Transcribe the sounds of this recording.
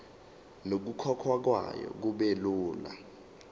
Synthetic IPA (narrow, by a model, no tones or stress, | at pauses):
nok̬ukʰɔkʰwak̬wa̰jɔ̰k̬uɓeluːla̰